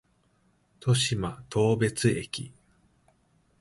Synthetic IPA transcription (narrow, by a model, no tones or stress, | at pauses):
t̪ʰo̞ɕimat̪ʰo̞ːbe̞t͡sɨe̞kʲi